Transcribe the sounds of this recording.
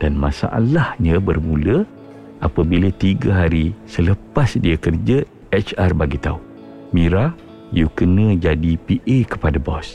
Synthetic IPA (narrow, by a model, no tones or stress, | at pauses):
d̥anmãsa̰ʔa̰lahɲə̃bərmulə | ʔapəbilət̪iɡəɦaɾisələpasdiəkərd͡ʒə | ɛt͡ʃarbaɡit̪a̰u | miɾa | jukənə̃d͡ʒadipiʔekə̥padabɔ̰s